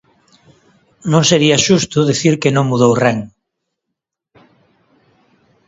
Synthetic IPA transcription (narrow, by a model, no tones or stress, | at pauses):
nõŋseɾiaʃust̪ʊðiθiɾkenõŋmuðowreŋ